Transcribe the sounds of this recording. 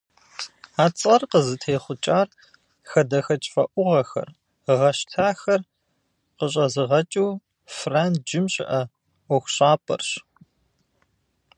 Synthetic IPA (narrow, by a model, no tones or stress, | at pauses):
aːt͡sʼɐrqəzɨtʰeːχʷʊt͡ʃʼaːr | xɐdɐxɐt͡ʃʼfɐʔʷʊʁɐxɐ̰r | ʁɐʃtʰaːxɐr | qəɕ̬ʼɐzɨʁɐt͡ʃʼuː | fraːntd͡ʒɪmɕʼɪ̰ʔɐ | ɔxʷɕʼaːpʰʼɐ̰rɕ